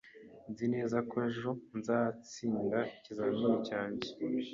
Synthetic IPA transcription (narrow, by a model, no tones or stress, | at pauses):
nzine̞ːzakoeʒo̞nzaːt͡siːndacizaːmiɾicaːɲɟe